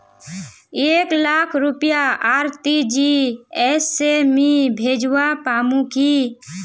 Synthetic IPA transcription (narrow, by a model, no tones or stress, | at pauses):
eːklaːkʰɾʊpjaaːɾt̪id͡ʒiɛːsːemĩbʱeːd͡ʒwapaːmũki